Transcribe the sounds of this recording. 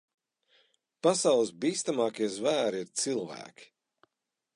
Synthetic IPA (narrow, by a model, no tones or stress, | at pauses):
pasawlˠɨsbiːst̪amɑːkiɛzvæːɾiiɾt̪silˠvæ̰ːkʲi̥